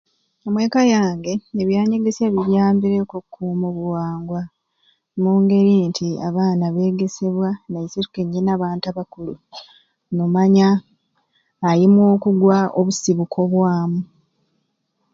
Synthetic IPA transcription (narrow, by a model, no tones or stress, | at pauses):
omwe̞ːkajaːŋɡe̞eβjaːɲe̞ɡe̞sjaβiɾjaːmbiɾekokʰːuːmoβuwaːŋɡwa | muːŋɡe̞ɾintʰiaβaːnaβe̞ːɡe̞se̞βwanajisitukeɲːinaβaːntaβakulu | nomaɲa | jimwo̞ːkuɡwaʔoβusiβukʰo̞βwaːmu